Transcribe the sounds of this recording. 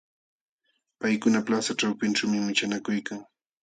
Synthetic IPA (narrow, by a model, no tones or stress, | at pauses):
pajkʊnaplasaʈ͡ʂawpɪnʈ͡ʂawmɪmɪt͡ʃanakʊjkaŋ